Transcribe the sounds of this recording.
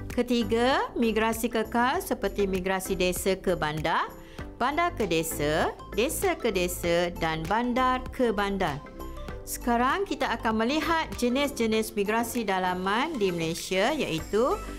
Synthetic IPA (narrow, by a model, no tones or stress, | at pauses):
kət̪iɡamĩɡɾasikəkalsəpərt̪imĩɡɾasidesakəbanda | b̥andakədesa | desakədesadanbandarkʰəbandar | sə̥kaɾaŋkit̪aːkanmə̃liɦat̪̚d͡ʒənɪsd͡ʒənɪ̃smĩɡɾasidalamãndiməlesiaja̰ʔit̪u